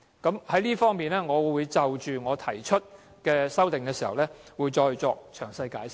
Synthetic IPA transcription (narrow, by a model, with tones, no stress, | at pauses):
kɐ˨˥mhɐ˨˥jliː˥fɔː˥ŋmiː˨nlɛː˥ŋɔː˨˧wuː˨˧jt͡sɐ˨wt͡ʃyː˨ŋɔː˨˧t̪ʰɐ˨˩jt͡ʃʰɵ˥t̚ | kɛː˧sɐ˥wt̪ɪ˨ŋkɛː˧siː˨˩hɐ̰˨wlɛː˥wuː˨˧jt͡ʃɔː˧jt͡sɔː˧k̚t͡ʃʰœː˨˩ŋsɐ˧jkaː˨˥jsɪ˥